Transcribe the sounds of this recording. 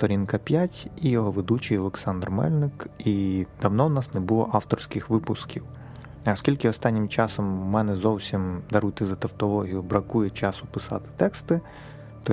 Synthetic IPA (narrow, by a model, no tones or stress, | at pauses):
st̪ɔɾʲinkɐpʲjatʲijɔɦɔʋed̪ut͡ʃijɔlˠeksɑnd̪rmɛ̰lʲnɪkid̪̥ɐwnɔwnɑsnɛbʊlˠɔ̰ʔɑwt̪ɔrsʲkɪxʋɪpʊskʲiw | ɐskʲilʲkɪɔst̪ɑnʲːɪmt͡ʃɑsɔmːɛnɛzɔwsʲimd̪ɐɾut̪ɪzɐt̪ɐwt̪ɔlˠɔɦʲijʊbɾɐkujɛt͡ʃɑsʊpɪsɑ̰t̪ɪ̥t̪ɛkst̪ɪ | t̪ɔ